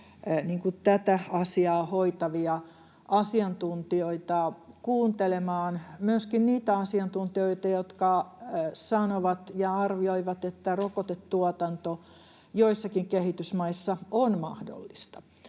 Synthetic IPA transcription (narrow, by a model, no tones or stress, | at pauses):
niːŋkut̪æt̪æɑsiɑːhoit̪ɑʋiɑ | ʔɑsiɑnt̪unt̪ioit̪ɑkuːnt̪elemɑːnmyøskinniːt̪æɑsiɑnt̪unt̪ioit̪ɑjot̪kɑ | sɑnoʋɑt̪jɑɑrʋioiʋɑt̪et̪ːærokot̪et̪tuɑt̪ɑnt̪o | joisːɑkiŋkehit̪ysmɑisːɑonmɑ̰hdo̰lːist̪ɑ̥